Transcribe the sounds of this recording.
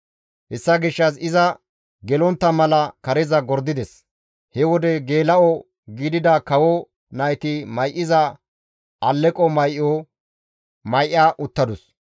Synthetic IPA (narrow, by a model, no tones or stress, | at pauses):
hɛsːɐɡɪʃːɐsɪzɐ | ɡɛlɔnt̪ːɐmɐlɐkɐɾɛzɐɡɔɾd̪ɪd̪ɛs | hɛwɔd̪ɛɡeːlɐɔ | ɡiːd̪ɪd̪ɐkɐwɔ | nɐjt̪ɪmɐjʔːɪzɐ | ʔɐlːɛkʼɔmɐjʔːoː | mɐjʔɪːaːʔʊt̪ːɐd̪ʊs